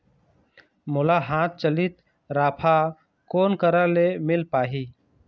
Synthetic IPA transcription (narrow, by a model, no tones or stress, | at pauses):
mʊlaːɦãːt̪̚t͡ʃəlɪt̪ | ɾaːpʰa | koːnkəɾalemɪlpaːɦiː